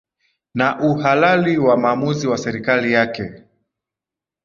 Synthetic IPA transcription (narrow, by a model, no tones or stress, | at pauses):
naʔuhalaliwamaːmuziwasɛɾikalijakɛ